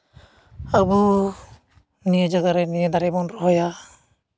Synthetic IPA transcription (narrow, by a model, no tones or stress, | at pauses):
abu | nied͡ʒaɡaɾɛnijed̪aɾɛbɔnɾɔɦɔja